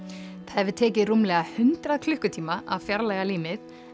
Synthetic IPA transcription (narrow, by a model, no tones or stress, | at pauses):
θɛvɪt̪ʰɛːcɪrumlɛːɣahʏnt̪ɾaðkʰlʏhkʏt̪ʰiːmaʔa̰ðfjaɾlaːjɣaliːmɪθ